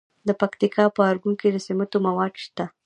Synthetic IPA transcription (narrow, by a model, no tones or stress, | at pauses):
d̪əpakt̪ikʰɑpəaɾɡuŋkid̪əsɪmat̪omawɑd̪ʃt̪a